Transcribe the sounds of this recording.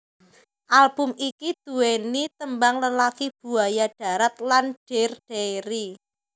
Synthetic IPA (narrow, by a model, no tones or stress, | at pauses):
ʔalb̥ʊmikid̪̥ṳwenit̪əmbaŋləlakib̥ṳajaɖ̥a̤ɾat̪̚lanɖ̥erɖ̥eɾi